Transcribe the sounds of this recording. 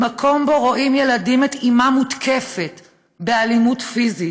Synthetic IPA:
makʰo̞mboʁoʔimje̞ladimet̪imamutkʰefet | be̞alimutfizi

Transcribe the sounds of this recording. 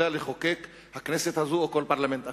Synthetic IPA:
ealeχokek | hakneset̪hazuoko̞lpaʁlament̪a

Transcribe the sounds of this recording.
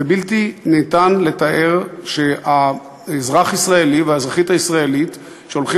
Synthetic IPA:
ebiltineːtanle̞taʔe̞ʁʃea | zʁaχisʁaeliveaezʁaχitaisʁaelit | ʃeolχi

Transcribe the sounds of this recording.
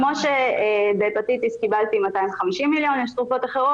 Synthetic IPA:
mo̞ʃebepat̪it̪iskibalt̪imat̪aimvχamiʃimːiljo̞neʃt̪ʁufo̞t̪aχeʁo

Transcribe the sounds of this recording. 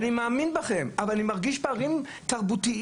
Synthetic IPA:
nimaːminbaχe̞mavalanimaʁɡiʃbaːʁim | t̪aʁbut̪i

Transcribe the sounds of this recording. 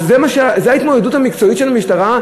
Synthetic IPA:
zemaʃzehait̪modeduthamikt͡so̞it̪ʃe̞lamiʃtaʁa

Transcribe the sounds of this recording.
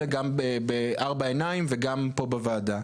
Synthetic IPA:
eɡambebeaʁbaenaimveɡampo̞bevaːda

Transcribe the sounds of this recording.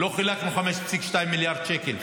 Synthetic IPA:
lo̞χilakmiχameʃt͡sikʃt̪aimːiljaʁd̪ʃekel

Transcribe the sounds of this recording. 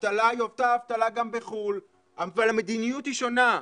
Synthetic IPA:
vt̪alajovt̪aːvt̪alaɡambeχul | avvalamed̪inijutiʃo̞na

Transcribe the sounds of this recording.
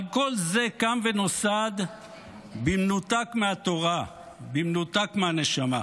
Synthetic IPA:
ako̞lzekanvenosad̪ | bimnut̪akmeat̪o̞ʁa | bimnut̪akmeaneʃama

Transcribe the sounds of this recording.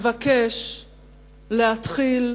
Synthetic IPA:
vakeʃ | lehat̪χil

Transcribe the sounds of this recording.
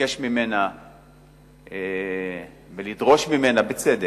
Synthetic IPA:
eʃmime̞na | e | velid̪ʁo̞ʃmime̞nabet͡sede

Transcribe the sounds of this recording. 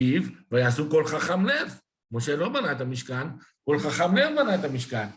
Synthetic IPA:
ivvajaːsuko̞lχaχamlev | moʃelo̞banaet̪amiʃkan | kolχaχamlevbanaet̪amiʃkan

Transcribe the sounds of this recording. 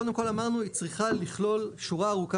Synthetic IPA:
od̪emko̞lamaʁnuit͡sʁiχaliχlo̞lʃuʁaːʁuka

